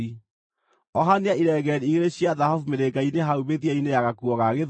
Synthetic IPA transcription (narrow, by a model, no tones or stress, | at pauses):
i | ɔɦaneaiɾɛɣɛɾiiɣeɾeɕjaðahɔvumeɾeɡaineɦauβeðiainejaɣakuwɔɣaɣeð